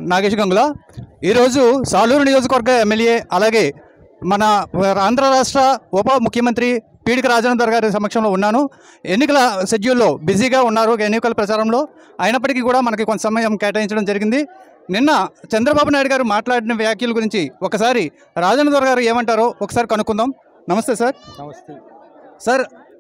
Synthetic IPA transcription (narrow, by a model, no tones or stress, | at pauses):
naːɡeʂɡɐŋɡulaː | iːɾo̞ːd͡ʒusaːluːɾunijoːd͡ʒɐkɐʋɐɾɡɐemːelje̞ːɐlaːɡe̞ː | mɐnɐaːnd̪ɾɐɾaːʂʈɾɐɔpɐmukʰjɐmɐnt̪ɾi | piːɽikɐɾaːd͡ʒɐnːɐd̪ʋɐɾɐɡaːɾisɐmɐkʂɐmlo̞ːunːaːnu | e̞nːikɐlɐsed͡ʒjulːo̞ːbiziːɡaːunːaːɾukenːikɐlɐpɾɐt͡ʃaːɾɐmlo̞ː | aːjɐnɐp̬ːɐʈikiːkuːɽaːmɐnɐk̬ukonːɐsɐmɐjɐmkɛːʈaːjiɲt͡ʃɐɽɐmd͡ʒɐɾiɡind̪i | ninːɐt͡ʃɛnd̪ɾɐbaːbunaːjɽuɡaːɾumaːʈlaːɽinɐʋjaːkjɐluɡuɾiɲt͡ʃiɔkɐsaːɾi | ɾaːd͡ʒɐnɐd̪ʋɐɾɐɡaːɾueːmɐɳʈaːɾoɔkɐ̥saːɾikɐnukːund̪aːm | nɐmɐst̪eːsaːɾ | sɐɾ